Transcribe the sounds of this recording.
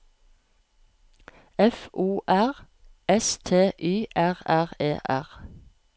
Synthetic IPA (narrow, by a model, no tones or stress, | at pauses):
ɛfuːʔæʁ | ɛst̪ʰeːʔyːʔæʁæʁḛːʔæ̰ʁ